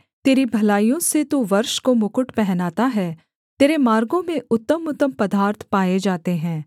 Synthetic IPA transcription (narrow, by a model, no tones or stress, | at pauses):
t̪eːɾibʱɐlaːijõset̪oʋɐɾʃkomʊkʊʈpɛɦnaːt̪aɦɛː | t̪eːɾemaːɾɡõmẽʊt̪ːəmʊt̪ːəmpɐd̪aːɾt̪ʰpaːed͡ʒaːt̪eɦɛ̃ː